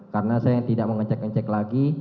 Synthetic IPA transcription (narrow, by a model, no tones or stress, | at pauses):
kaɾənasajajaŋt̪idaʔ̚məŋəɲt͡ʃɛk̚əɲt͡ʃɛklaɡi